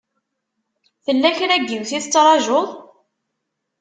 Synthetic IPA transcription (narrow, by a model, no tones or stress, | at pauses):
θəlːæçɾæɡːiwθiθət͡sːɾˤɑʒoðˤ